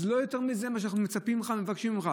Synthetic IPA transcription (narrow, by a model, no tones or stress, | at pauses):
zlojot̪eʁmizemaʃ̬anaχnumet͡sapimχamevakʃimχa